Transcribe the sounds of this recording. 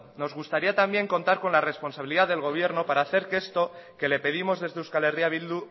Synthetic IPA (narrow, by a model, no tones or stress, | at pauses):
no̞zɣust̪aɾiat̪ambje̞ŋko̞nt̪aɾko̞nlare̞spo̞nsaβiliðaðe̞lɣo̞β̞je̞ɾno̞paɾaːθe̞ɾke̞st̪o̞ke̞le̞pe̞ðimo̞zðe̞zðeuskale̞riaβild̪u